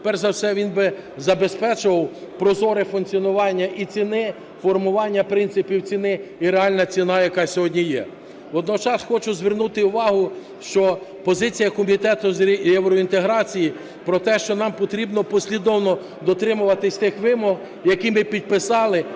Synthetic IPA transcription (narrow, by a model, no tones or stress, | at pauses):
t̪pɛrzɐwsɛʋʲinbɪzɐbespɛt͡ʃʊʋɐwpɾɔzɔɾɪfʊnkt͡sʲiɔnʊʋɑnʲːɐʔit͡sʲinɪ | fɔrmʊʋɑnʲːɐpɾɪnt̪sɪpʲiwt͡sʲinɪiɾeɑlʲnɐt͡sʲinɑjɐkɑsʲɔɦɔdʲnʲijɛ̰ | ʋɔd̪nɔt͡ʃɑsxɔt͡ʃʊzʲʋɪrnut̪ɪʊʋɑɦʊ | ʃt͡ʃɔpɔzɪt͡sʲijɐkɔmʲit̪ɛt̪ʊzʲjɛwɾɔint̪eɦɾɑt͡sʲiji | pɾɔt̪ɛʃt͡ʃɔnɑmpɔt̪ɾʲibnɔpɔsʲlʲid̪ɔwnɔ | d̪ɔt̪ɾɪmʊʋɐt̪ɪsʲt̪ɪxʋɪmɔɦ | jɐkimɪpʲid̪̚pɪsɑlˠɪ